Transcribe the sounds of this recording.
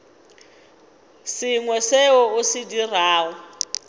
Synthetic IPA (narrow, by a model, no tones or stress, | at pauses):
siŋwɛseɔʊsɪdiraːɔ